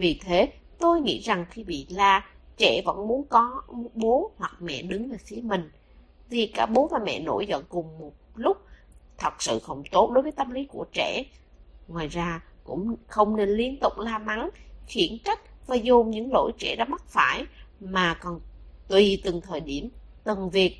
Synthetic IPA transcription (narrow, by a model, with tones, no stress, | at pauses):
vi˨˩t̪ʰe˨˦ | t̪o˧jŋḭ˧˥za˨˩ŋxi˧ɓḭ˧˨laː˨˩t͡ɕɛ̰˧˩və̰˧˥nmu˨˦ənkɔ˨˦ɓo˨˦hwa˨˩k̚mɛ̰˧˨ɗɨ˨˦ŋlaː˨˩fi˨˦əmï˨˩ŋ̟ | t̪ʰi˨˩kaː˧˥k̚ɓo˨˦maː˨˩mɛ̰˧˨no̰˧˥˩jzə̰˧˨nkʊ˨˩ŋ͡mmo˨˩t̚lʊ˦˥k͡p̚t̪ʰə˨˩t̚sɨ̰˧˨xə˧˩wŋ͡mt̪o˦˥t̚ɗo˨˦jvəː˨˦jt̪ə˧mli˨˦ku˧˩ət͡ɕɛ̰˧˩ | ŋwaː˨˩jzaː˧kʊ̰˧˥ŋ͡mxə˧wŋ͡mne˧nli˧ənt̪ʊ̰˧˨˩k͡p̚laː˧ma˨˦ŋxi˧˩ənka˦˥k̟̚vaː˨˩zu˨˩mɲɨ̰˧˥ŋlo̰˧˥jt͡ɕɛ̰˧˩ɗɔ˨˦ma˦˥t̚faː˧˩jmaː˨˩kɔ˨˩nt̪wi˨˩t̪ɨ˨˩ŋt̪ʰəː˨˩jɗi˧˩əmt̪ɨ˨˩ŋvi˨˩ək̚